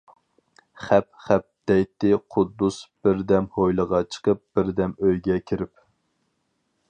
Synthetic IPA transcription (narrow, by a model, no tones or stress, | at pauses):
χɛp̚χæp̚d̪̥ɛjt̪ːɪqʰʊd̪ːusb̥ɪɾd̪ɛmhojlˠəʁɑt͡ʃʰə̥qəp̚b̥ɪɾd̪ɛmøjɡʲɛkʲʰiɾɪp